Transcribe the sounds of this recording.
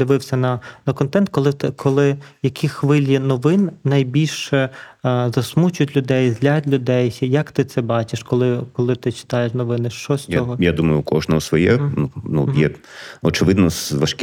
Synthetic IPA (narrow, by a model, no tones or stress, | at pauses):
d̪ɪʋɪwsʲɐnɐnɐkɔnt̪ɛnt̪̚kɔlˠɪt̪ɪkʰɔlˠɪjɐkʲixʋɪlʲjinɔʋɪnːɐjbʲilʲʃɛzɐsmut͡ʃʊtʲlʲʊd̪ɛjzlʲatʲlʲʊd̪ɛjjɐkt̪ɪt̪sɛbɑt͡ʃɪʃkɔlˠɪkɔlˠɪt̪ɪt͡ʃɪ̥t̪ɑjeʃnɔʋɪnɪʃt͡ʃɔsʲt͡sʲɔɦɔjad̪umɐjʊkɔʒnɔɦɔsʋɔjɛnunṵjɛɔt͡ʃɪʋɪd̪nɔsʋɐʃk